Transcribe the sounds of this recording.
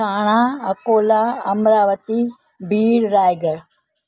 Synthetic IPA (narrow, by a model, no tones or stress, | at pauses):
aːɽ̃aːɐkoːlaɐmɾaːʋət̪i | bʱiːɽɾaːjɡə